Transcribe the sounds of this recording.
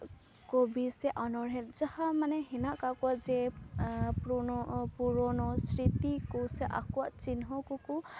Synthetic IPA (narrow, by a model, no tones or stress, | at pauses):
kobisɛʔɔnɔɹɦɛtzahamanɛɦinaʔkakuazɛ | ppuɹɔnɔsɹit̪ikusɛʔa̰kuaʔt͡ʃinɦɔkuku